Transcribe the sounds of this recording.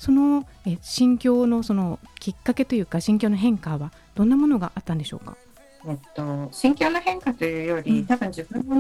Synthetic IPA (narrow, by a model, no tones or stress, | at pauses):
so̞no̞ | eɕĩŋkʲo̞ːno̞so̞no̞kʲikːake̞t̪o̞jɯ̟ːkaɕĩŋkʲo̞ːno̞ɦẽ̞ŋkaβa | d̪̥õ̞nːamo̞no̞ɡaʔat̪ːãnd̪e̞ɕo̞̰ːka̰ | et̪ːo̞ɕĩŋkʲo̞ːno̞hẽ̞ŋkat̪o̞jɯ̟ːjo̞ɾʲit̪abɯ̟̃ɲ̟d͡ʑibɯ̃nːo